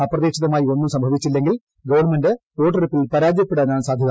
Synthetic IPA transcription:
ɐprɐðeːɕɐðɐmaːjio̞nːumsɐmbʱɐʋit͡ɕːilːe̞ŋɡil | ɡɐʋɐɳmendeto̞ːʈːɐripːilpɐɾaːd͡ʑjɐpːeɽaɲaːnsaːd̪ʱjɐðɐ

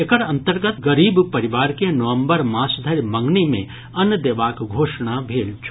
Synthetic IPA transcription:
ekəɾɐ̃nt̪əɾɡət̪ɡəɾiːbpɐɾɪʋaːɾkenɐʋə̃mbəɾmaːsd̪ʱəɾmɐ̃ŋɡnimḛ̃ | ɐnd̪eːʋaːkɡʱoːʃɽ̃abʱeːlt͡ʃʰu̥

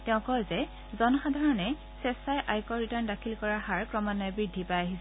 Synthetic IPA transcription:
tɛʊ̃kɔjzɛ | zɔnɔxadʱaɹɔnɛ | sɛsajʔajkɔɹitandakʰilkɔɹahaɹkɹɔmɔnajbɹidʱːipajaɦisɛ

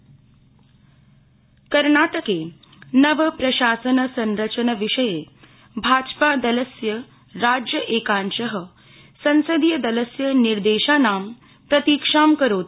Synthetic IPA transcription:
kɐɾnaːʈəkeː | nɐʋəpɾɐʃaːsənəsɐ̃nɾət͡ʃənəʋiʂɐje | bʱaːd͡ʒpad̪ɐləsjə | ɾaːd͡ʒjəʔeːkãːnt͡ʃəɦə | sɐ̃nsɐd̪ijəd̪ɐləsjəniɾd̪eːʃaːnaːm | pɾɐt̪iːkʂaːmkəɾoːt̪

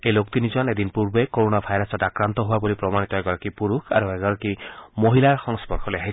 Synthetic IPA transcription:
ejlok̚t̪inid͡ʒɔned̪inpuɾbekoɾonabʱajɾɔsɔʈakɾant̪ɔɦuabulipɾɔmanit̪ɔɛɡɔɾɔkipuɾukʰa̰ɾueɡɔɾɔkimoɦilaɹxɔŋspɔɾkʰɔleaɦi

